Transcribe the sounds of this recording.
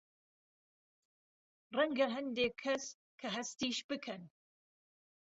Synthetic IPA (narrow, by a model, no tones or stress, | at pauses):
rɛŋɡɐɦɐnd̪eːkʰːɐs | kʰɐɦɐst̪iːʃb̥ɨkʰɐn